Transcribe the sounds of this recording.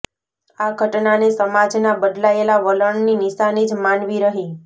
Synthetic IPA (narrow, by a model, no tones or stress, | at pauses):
aɡʱəʈnanesəmad͡ʒnabəd̪laelaʋələɳninɪʃanid͡ʒmanʋiɾəɦi